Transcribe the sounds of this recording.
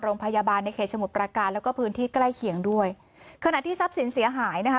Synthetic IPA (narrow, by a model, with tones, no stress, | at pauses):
ɾoː˧ŋpʰa˧jaː˧baː˧nːa˧jkʰeː˨˩t̪̚sa˧mu˨˩p̚pɾa˧kaː˧nlɛː˦˥wkɔː˥˩pʰɯː˦˥nt̪ʰiː˥˩kla˥˩jkʰi˨˩əŋdu˥˩əj | kʰa˧na˨˩t̪ʰiː˥˩sa˦˥p̚si˩˦nsi˩˦ɦaː˩˦jna˦˥kʰ